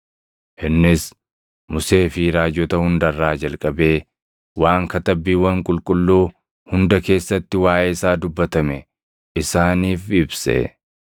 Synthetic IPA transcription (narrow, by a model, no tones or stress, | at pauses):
ʔɪnːɪs | mʊse̞ːfiɾaːd͡ʒːɔt̪ɐhʊnd̪ɐrːaːd͡ʒɐlkʼɐbe̞ː | waːŋkɐt̪ɐbːiːwɐŋkʼʊlkʼʊlːuː | hʊnd̪ɐke̞ːsːɐt̪ːɪwaːʔeːsaːd̪ʊbːɐt̪ɐmɛ | ɪsaːniːfɪbsɛ̰